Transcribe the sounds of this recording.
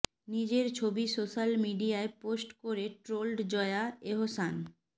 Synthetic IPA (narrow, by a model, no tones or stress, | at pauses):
nid͡ʑeɾt͡ɕʰobisoʃalmiɖiaeposʈkoɾeʈɾolɖd͡ʑɔeaeɦosan